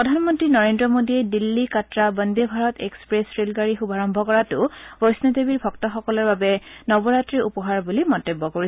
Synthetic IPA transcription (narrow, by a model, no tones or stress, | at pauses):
pɹɔdʱanmɔntɹinɔɹendɹɔmodiɛdilːikatɹabəndebʱaɹɔtʰekspɹesɹelɡaɹixubʱaɹɔmbʱɔkɔɹatʊbɔɹsnetebiɹbʱɔk̚tɔxɔkɔlɔɹbabɛnɔbɔɹatɹiʔupɔɦaɹbulimɔntebːɔkoɹi